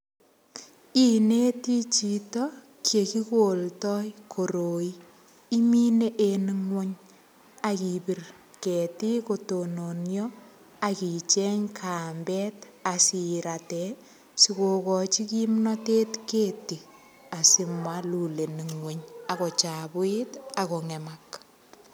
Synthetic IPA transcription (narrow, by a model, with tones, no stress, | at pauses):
i˨ne˦ti˦t͡ʃi˨tɔ | kʰje˨ki˦koltɔjkʰo˨ɾo˨i˦ | i˦mi˦ne˦ʔeni˦ŋwe˦ɲ | aki˨pi˨r | kɛ˨ti˦kotono˨njɔ | aki˨t͡ʃɛɲkʰaːmbɛːt | asi˨ɾatɛ | si˨ko˨kɔt͡ʃi˦ki˦mnɔteː˦tkeːti˨ | a˨si˨mwalu˨le˨ni˨ŋweɲa˨kɔ˨t͡ʃabʊ˦itakɔŋɛ˨mak